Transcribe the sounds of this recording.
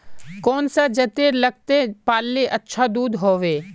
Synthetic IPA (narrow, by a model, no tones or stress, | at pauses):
kɔːnsad͡ʒɐt̪eːɾlɐɡ̚t̪epaːlːeʔɐtːʃʰad̪uːd̪ɦoːʋeː